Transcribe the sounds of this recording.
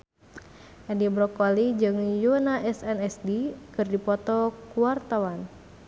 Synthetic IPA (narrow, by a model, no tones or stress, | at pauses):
ʔɛdibɾɔkɔlid͡ʒɨŋjunaʔɛsɛnɛsdikɨrdipɔt̪ɔkuart̪awan